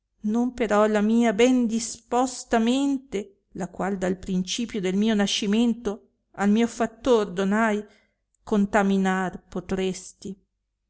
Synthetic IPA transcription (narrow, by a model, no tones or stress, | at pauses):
nompeɾɔlamiːabɛnd̪ispɔst̪ament̪e | lakwald̪alpɾint͡ʃiːpjod̪elmiːonaʃːiment̪o | almiːofat̪ːord̪onaj | kont̪aminarpot̪ɾest̪i